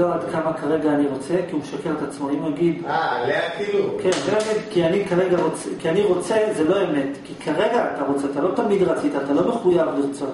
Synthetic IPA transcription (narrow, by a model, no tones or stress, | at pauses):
oad̪kʰamakaʁe̞ɡaːniʁo̞t͡se̞kiumeʃakelet̪at͡smoimaɡid̪aleafilukenzeemetkianikaʁeɡaʁo̞t͡sekianiʁo̞t͡se̞zelo̞eme̞tkikʰaʁe̞ɡaːt̪aʁo̞t͡seat̪alo̞t̪amid̪ʁat͡sit̪aːt̪alo̞me̞χujavlet͡so